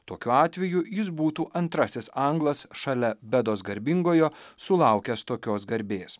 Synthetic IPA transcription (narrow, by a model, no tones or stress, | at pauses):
t̪oːkʲuɑːt̪ʲʋʲɛjujɪs̬buːt̪uːʔɐnt̪ɾɐsʲɪsɐŋɡlˠɐsʃɐlʲɛbʲɛd̪oːsɡɐɾʲbʲɪŋɡoːjosʊlˠɑˑʊkʲɛst̪oːkʲoːsɡɐɾʲbʲeːs